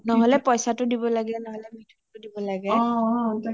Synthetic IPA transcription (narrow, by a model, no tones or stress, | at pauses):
nɔɦɔlɛpɔjsatʊdibɔlaɡɛnɔɦɔlɛmitʰutʊdibɔlaɡɛt